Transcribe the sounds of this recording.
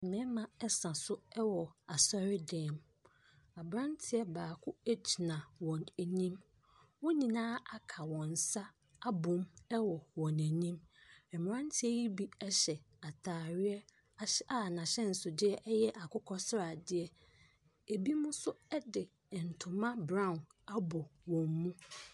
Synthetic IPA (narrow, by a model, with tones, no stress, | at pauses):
mɛ̃˨˦mã˦ɛ˦sã˨sʊ˦ɛ˦wɔ˨a˨sɔ˦ɾɪ˦dɛ̃ː˨m | a˨bɾã˦ntʰɪ˦ɛ˦baː˨kʰʊ˦æ˦t͡ɕʰi˨nã˨wɔ̃˨næ˨nĩ˦m | wɔ̃˦ɲĩ˨nãː˦a˨kʰa˨wɔ̃˨n˨sa˦ | a˦bʊ̃˨mɛ˦wɔ˨wɔ̃˨næ̃˨nĩ˦mɛ˨m˨ɾã˦ntʰɪ˦ɛ˦ji˦bi˦ɛ˦ɕɛ˨ | a˨tʰaː˨ɥɪ˦ɛ˦˨ | a˨nã˨ɕɛ˦n̩˨sʊ˨dɪ˦ɛ˦ʔɛ˦jɛ˦ʔa˨kʊ˦kʰɔ˦sɾa˨dɪ˦ɛ˦ | e˨bi˦mʊ̃˦sʊ˦ɛ˦dɪ˨ | n̩˨tʰʊ̃˨mã˦bɾã˦˨n | a˦bɔ˨wɔ̃˨mːũ˦